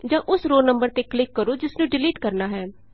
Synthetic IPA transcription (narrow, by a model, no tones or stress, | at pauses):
d͡ʒãːʔʊsɾoːnəmbəɾt̪eːklɪkːəɾoːd͡ʒɪsnũːɖɪliːʈkəɾnaːɦɛː